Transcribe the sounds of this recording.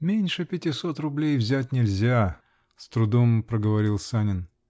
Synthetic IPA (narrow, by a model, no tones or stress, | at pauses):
mʲenʲʂɨpʲɪtʲɪsot̪rʊblʲejvzʲætʲnʲɪlʲzʲa | st̪ɾʊd̪ompɾəɡəvɐɾʲilˠsanʲɪn